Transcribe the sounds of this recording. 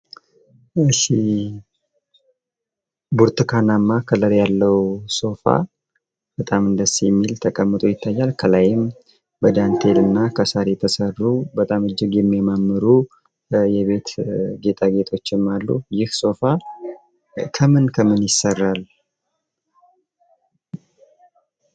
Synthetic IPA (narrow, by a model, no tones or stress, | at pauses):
ɨʃːi | buɾt̪ɨkʰanamːakʰələɾjalːəwso̞fa̰ | bət̪ʼamɨnd̪əsijɛmːilt̪ʰəkʼəmːɨt̪ʼojɪt̪ʰːajːalkʰəlajɪm | bəd̪ant̪ʰe̞lɨnːakʰəsaɾɛt̪ʰəsərːubət̪ʼamɨd͡ʒːɪɡjɛmːjɛmamːɨɾu | jɛβe̞t̪ɡe̞t̪ʰʼaɡe̞t̪ʰo̞t͡ʃːɪmːalːṵjɪhso̞fa | kʰəmɨnkʰəmɨnjɪsːərːal